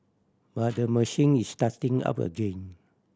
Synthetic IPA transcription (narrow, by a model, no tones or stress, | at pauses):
bat̚dəməʃĩŋistatĩŋa̰pə̰ɡẽn